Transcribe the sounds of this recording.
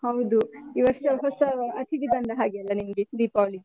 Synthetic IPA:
hɐwd̪uiʋɐɾst̪ɐɦɔsɐɐt̪ʰid̪ibɐɳɖ̪ɐɦaːɡeɐlːɐnimɡed̪ipaːli

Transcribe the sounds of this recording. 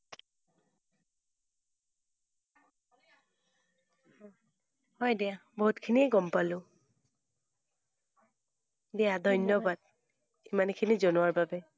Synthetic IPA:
hɔjdɛaboɦutkʰiniɛɡɔmpalʊ̃ | dɛadʱɔjnjɔbad̚ | imankʰinizonʊwaɹbabɛ

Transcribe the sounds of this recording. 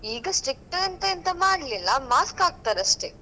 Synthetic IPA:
iːɡɐsʈik̚ʈɐɐnt̪ɐːnt̪ɐmaːɽlilːɐmaːskaːɡ̚t̪aːɾɐʂʈe

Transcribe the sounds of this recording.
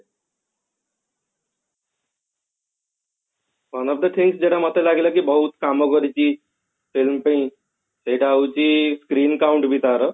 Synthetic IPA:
manab̚d̪əʈʰiŋsd͡ʑeɽamət̪elaɡilakibəɦut̪kamɔɡɔɾit͡ɕi | filmpəĩ | sejʈaut͡ɕiskɾiːnkauɳʈbit̪aɾə

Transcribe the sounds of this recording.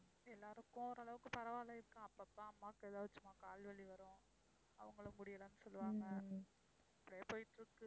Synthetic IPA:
ɛlːaːɾɯkːʊ̃ɔɾɐɭɐʋɯkːɯ̃pɐɾɐʋaːlɐɪɾɯkːɐ̃ɐpːɐpːaɐmːaːkːɯɛðaːʋɐt͡ʃːɯmaːkaːlʋɐɭiʋɐɾʊ̃ | ɐ̰ʋɐŋɡɐɭɯmʊɽɪjɐlɐnːɯsɔlːɯʋaːŋɡɐ | ɐpːɐɽɐjeːpoːjɪʈːɪɾɯkːɯ

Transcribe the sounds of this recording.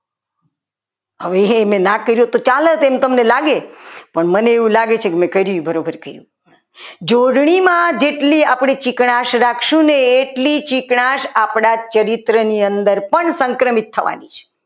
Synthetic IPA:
ɦəʋemɛ̃nãkəɾjõt̪ot͡ʃalət̪emt̪əmnelaɡepəɳməneːʋũlaɡet͡ʃʰekemɛ̃kəɾjũbəɾobəɾkəɾjṵ̃ | d͡ʒoɽɳimãd͡ʒeʈliapɽ̃et͡ʃikɳaʃɾakʰʃũneːʈlit͡ʃikɳaʃapɽat͡ʃəɾit̪ɾəniənd̪əɾpəɳsə̃ŋkɾəmit̪ʰːəʋa̰nit͡ʃʰe̥

